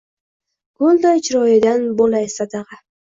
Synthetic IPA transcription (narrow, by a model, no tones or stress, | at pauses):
ɡ̥olˠd̪ɒjt͡ʃʰɾɒjɪd̪anbolˠajsad̪aʁɑ